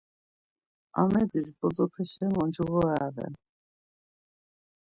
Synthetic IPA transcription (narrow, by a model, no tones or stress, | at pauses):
a̰mɛd̪isbɔd͡zɔpʰɛʃɛmɔnd͡ʒuɣɔavɛ̰n